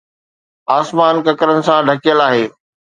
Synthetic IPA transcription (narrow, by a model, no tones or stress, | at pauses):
aːsmaːnkɐkɾənɪ̆sãɖʱɐkijəlaːɦeː